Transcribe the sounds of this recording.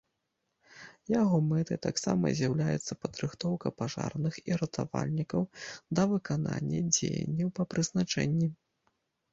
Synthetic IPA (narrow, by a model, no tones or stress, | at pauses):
jaɣɔmɛt̪ɨt̪aksamɐ̰zʲjawlʲajɛ̰t̪sːɐpɐd̪ɾɨxt̪ɔwkɐpaʐa̰rnɨxiɾɐt̪ʰavalʲnʲikɐwd̪ɐvɨkananʲːɐ̰d͡zʲejɐ̰nʲːɐwpɐpɾɨznat͡ʂɛnʲːi